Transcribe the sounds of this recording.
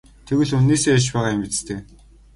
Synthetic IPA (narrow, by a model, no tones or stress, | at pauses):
t̪ʰeɣɘ̆ɮunːeːseːjat͡ɕpæːʁaːemit͡ɕst̪ʰeː